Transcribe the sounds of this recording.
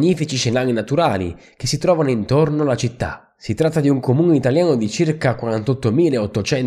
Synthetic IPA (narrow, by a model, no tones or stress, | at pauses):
ɲːiːfit͡ʃit͡ʃenaːlinat̪uɾaːlḭk̟esːit̪ɾɔːvanoint̪ornolat͡ʃit̪ːa̰ | sit̪ɾat̪ːad̪iuŋkomuːneit̪aljaːnod̪it͡ʃirkakːwaɾant̪ɔt̪ːomiːleɔt̪ːot͡ʃɛn